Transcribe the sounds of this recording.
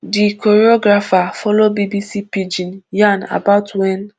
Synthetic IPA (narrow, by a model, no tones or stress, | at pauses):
dikʰɔɾiɔɡɾafafɔlobibisipid͡ʒĩnjãna̰baʊtʰwɛn